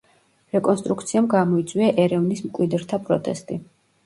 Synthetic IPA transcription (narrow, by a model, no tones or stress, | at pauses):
ɾɛkʼɔnst̪ʼɾukt̪sʰiamɡamɔit̪sʼwiaʔɛɾɛvnismkʼwid̪ɾt̪ʰapʼɾɔt̪ʼɛ̰st̪ʼi